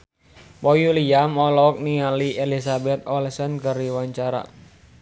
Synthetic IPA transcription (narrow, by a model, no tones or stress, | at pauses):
pɔjuliamɔlɔk̚nialiʔelisabɛt̪̚ɔlsənkəriwaɲt͡ʃaɾa̰